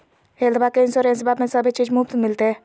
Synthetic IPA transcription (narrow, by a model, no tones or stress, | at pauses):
ɦeld̪bakeinsoɾẽnsbabmesəbʱit͡ʃid͡ʒmupt̪milt̪e